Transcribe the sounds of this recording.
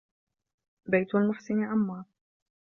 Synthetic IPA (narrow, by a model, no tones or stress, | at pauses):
bajt̪walmʊfsɪniʔamːɑːɾˤ